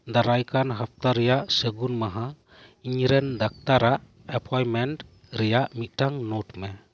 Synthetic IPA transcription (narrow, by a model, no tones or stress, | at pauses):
d̪aɾajkanɦap̚ʰt̪aɾɛjaʔsəɡunmaɦa | iɲɾɛnd̪ak̚t̪aɾaʔ | ɛpʰajmɛnʈ | ɾɛjaʔmit̪̚ˀʈaŋnɔʈmɛ